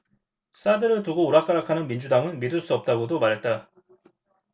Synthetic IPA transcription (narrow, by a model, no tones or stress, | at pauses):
s͈adɯɾɯɭtuɡouɾak͈aɾakʰanɯnmind͡ʑudaŋɯnmidɯɭs͈uʌp̚t͈aɡodomaɾɦe̞t̚t͈a